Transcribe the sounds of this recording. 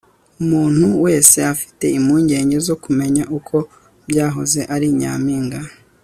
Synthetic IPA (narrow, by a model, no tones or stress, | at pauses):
umuːn̥huwe̞ːse̞afi̥te̞imuːɲɟe̞ːɲɟe̞zo̞kume̞ɲaʔukʰo̞ | bɟaːɦoze̞ʔaɾiɲa̰ːmiːŋɡa